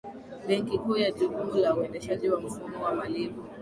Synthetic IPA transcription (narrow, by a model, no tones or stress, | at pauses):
ɓɛŋkikuːjaʄikumulauɛndɛʃaʄiwam̩fumɔwamalimu